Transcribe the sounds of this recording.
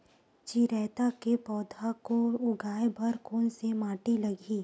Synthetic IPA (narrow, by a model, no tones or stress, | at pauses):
t͡ʃiɾɛːt̪akepɔːd̪ʱakoʊɡaːebʱɐɾkoːnsemaːʈilɐɡʱiː